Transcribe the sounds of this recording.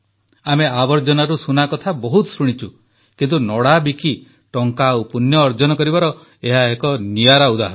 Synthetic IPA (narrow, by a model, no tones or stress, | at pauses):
ameabɔɾd͡ʒɔnaɾusunakɔt̪ʰabɔɦut̪ɔsɾuɽ̃it͡ʃʰu | kint̪unɔɽabiki | ʈɔŋkaopunjɔːɾd͡ʒɔnɔkɔɾibaɾɔ | eɦaekɔnijaɾaud̪aɦɔɾɔ